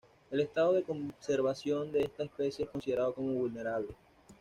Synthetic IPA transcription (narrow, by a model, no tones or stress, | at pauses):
e̞lest̪aðoðe̞ko̞mse̞ɾβasjo̞nd̪e̞est̪aespe̞sje̞esko̞nsið̞e̞ɾaðo̞ko̞mo̞βulne̞ɾaβle̞